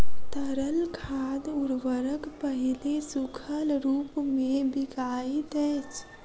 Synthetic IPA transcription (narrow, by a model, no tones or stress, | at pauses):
t̪əɾəlkʰad̪uɾʋəɾəkpəɦilesukʰəlɾupmebiɡaid̪ɛjt͡ʃʰ